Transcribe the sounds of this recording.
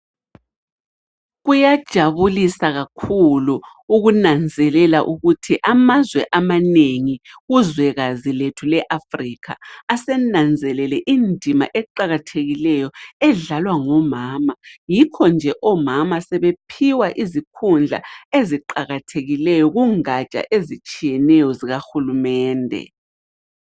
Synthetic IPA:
ɣujad̥ʒ̥ʱaβulisaɣakʰulu | uɣunand͡zʱɛlɛlaʔuɣutʰiʔamazwɛʔamaneŋiɣuzwɛɣaziletʰulɛʔafriːkʰa̰ːsɛnand͡zʱɛlɛlɛʔindʱima̰ʔɛǃaɣatʰeɣilɛjɔɛɮalwaŋɔmaːmajikʰɔnd͡ʒʱɛʔɔmamasɛβepʰiwaʔizikʰund͡ɮʱa̰eziǃaɣatʰeɣilɛjɔɣuŋat͡ʃʼa̰ʔezit͡ʃʼijɛnɛjɔziɣaxulumɛːndʱɛ̰

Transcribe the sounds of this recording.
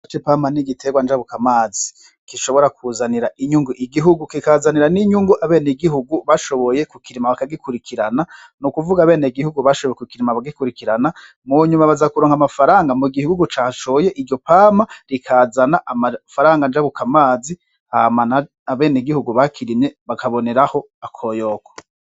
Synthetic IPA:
at͡ʃepaːmaniɡitʰe̞ɡwand͡ʒaβukamaːzi | kiʃo̞βo̞ɾakuːzaniɾaʔiɲuŋɡuʔiɡiɦuɡukikazaniɾaniɲuŋɡuʔaβe̞ːneɡiɦuɡuβaʃo̞βo̞jekukiɾimaβakaɡikuɾikʰiɾana | nukuvuɡaβe̞ːneɡihuɡuβaʃoβo̞jekukiɾimaβaɡikuɾikiɾana | muɲumaβazakuɾoŋhamafaɾaːŋɡamuɡihuuɡut͡ʃaːʃoje̞ʔiɾɟo̞paːmaɾikʰaːzanaʔamafaɾaːŋɡand͡ʒaβukamaːzi | hamana | aβe̞ːneɡihuɡuβakʰiɾimeβakʰaβo̞ne̞ɾaho̞ | akʰo̞jokʰo̥

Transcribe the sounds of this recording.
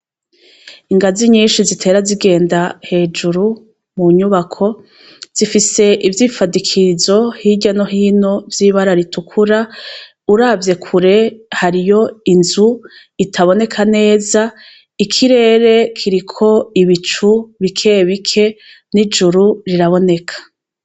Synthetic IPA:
iŋɡaziɲiːnʃizitʰe̞ːɾaziɡe̞ːndahe̞ːd͡ʒuɾu | muɲuβakʰo̞ | z̥ifise̞ʔivjiːfadikʰizo̞hiɟano̞ɦiːno̞vjiːβaɾaɾitukʰuɾa | uɾavje̞kʰuɾe̞haɾijo̞inzu | itʰaβo̞ne̞kʰane̞ːza | ikʰiɾe̞ːɾe̞kʰiɾikʰo̞iβit͡ʃuβikʰe̞ːβikʰe̞ | nid͡ʒuɾuɾiɾaβo̞ne̞kʰḁ

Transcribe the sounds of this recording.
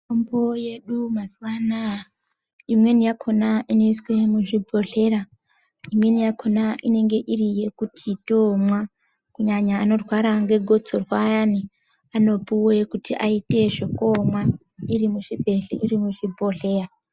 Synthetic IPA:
omboje̞ɗumaswana | imwe̞nijakʰo̞naʔino̞iswe̞muʐibʱo̞ɮe̞ɾa | imwe̞nijakʰo̞naʔine̞ŋɡe̞ʔirije̞kutʰitomwa | kuɲaɲaːno̞rwaɾaŋɡe̞ɡʱo̞t͡sorwajani | ano̞puwoekutiʔaite̞ʐekomwa | iɾimuʐibʱe̞ɬḭʔirimuʐibʱo̞ɮe̞ːra

